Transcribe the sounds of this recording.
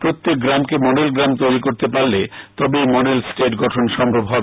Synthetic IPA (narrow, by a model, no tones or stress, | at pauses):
pɾot̪ːek̚ɡɾamkemɔɖelɡɾamt̪ojɾikoɾt̪epaɾlet̪ɔbemɔɖelsʈeʈɡɔʈʰonʃɔmbʱobɦɔbe